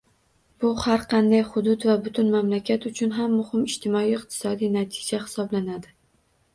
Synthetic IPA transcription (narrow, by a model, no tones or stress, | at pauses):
b̥ʊhaɾqʰɑnd̪ajχʊd̪ʊt̪vabʊt̪ʰʊnmamlakʲʰat̪ʊt͡ʃʰʊnɦamːʊhɪmɪʃt̪ʰɪmɒijɪq̚t̪ʰɪ̥sɒd̪ijnat̪ʰɪ̥d͡ʒahɪ̥sɒblanad̪ɪ